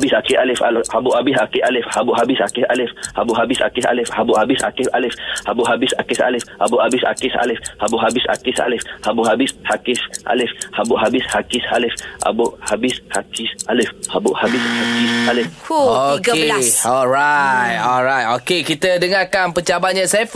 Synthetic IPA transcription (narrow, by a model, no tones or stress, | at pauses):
bɪsakɪʔalɪfalʔhabʊʔhabɪsakɪʔalɪfhabʊʔɦabɪsa̰kɪsa̰lɪfhabʊʔɦabɪsa̰kɪsa̰lɪfhabʊʔhabɪsha̰kɪfa̰lɪfhabʊʔɦabɪsa̰kɪsa̰lɪfhabʊʔhabɪsa̰kɪsa̰lɪhabʊʔɦabɪsa̰kɪsa̰lɪfhabʊʔɦabɪshakɪsʔa̰lɪfhabʊʔɦabɪshakɪsalɪfʔa̰bʊʔhabɪshakɪsʔalɪfhabʊʔhabɪshakisalɪfokeɔlɾajt̪̚ɔlɾajt̪okekit̪ədəŋakanpəɲt͡ʃabaʔɲə̃sɛf